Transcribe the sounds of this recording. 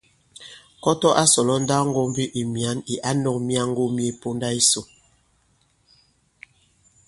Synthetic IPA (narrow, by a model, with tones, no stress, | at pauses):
kɔ˦tɔ˦ʔa˦sɔ˨lɔ˦n̩˦da˦ŋ˦ɡo˦m˦vi˦ʔi˨mja˨˦ni˨ʔa˦nɔ˨k̚mi˦a˦ŋ̩˦ɡo˦mje˦po˦nda˦i˦so˨